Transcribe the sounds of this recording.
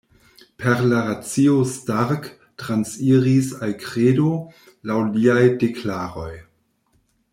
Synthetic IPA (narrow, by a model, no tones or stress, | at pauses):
pʰeɾlaɾat͡siostaɾk | tɾansiɾisalkɾedo | lawliajdeklaɾo̞j